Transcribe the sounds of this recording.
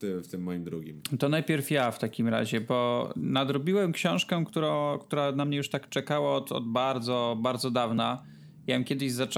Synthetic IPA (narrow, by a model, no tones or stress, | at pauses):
t̪ɪft̪ɪmːɔjimd̪ɾuɡʲḭmt̪ɔnajpʲjɛɾfjaft̪akʲimɾa̰ʑɛbɔnad̪ɾɔbʲiwɛmkɕɔ̃w̃ʂkɛkt̪uɾɔ̃kt̪uɾanamɲɛjuʂt̪akt͡ʂɛkawaɔt̪ɔ̰d̪baɾd̪zɔbaɾd̪zɔd̪avna | jamkʲɛd̪ɘʑzat͡ʂ